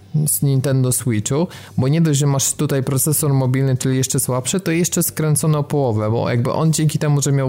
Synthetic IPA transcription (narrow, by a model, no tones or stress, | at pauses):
zɲʲint̪ɛnd̪ɔswit͡ʂu | bɔɲɛd̪ɔʑʐɛmaʂt̪ut̪ajpɾɔt̪sɛsɔɾmɔbʲilnɘt͡ʂɘlʲijɛʂt͡ʂɛswapʂɘt̪ɔjɛʂt͡ʂɛskɾɛnt̪sɔnɔpɔwɔvɛbɔ̰ja̰ɡ̚bɘ̰ʔɔ̰nd͡ʑeŋkʲit̪ɛmuʐɛmʲjaw